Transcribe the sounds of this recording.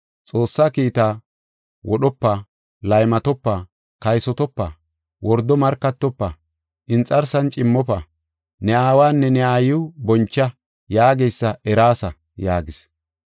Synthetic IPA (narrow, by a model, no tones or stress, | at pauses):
t͡sʼo̞ːsːakiːt̪aː | wɔɗɔpːɐ | lɐjmɐt̪ɔpːɐ | kɐjsɔt̪ɔpːɐ | wʔɔɾd̪ɔmɐɾkːɐt̪ːɔpːɐ | ʔɪnt͡sʼɐɾsɐnt͡ʃʼɪmːɔpɐ | nɛaːwaːnːɛnɛaːjʊbɔnt͡ʃːɐ | jaːɡejsːɐɛɾaːsɐ | jaːɡɪs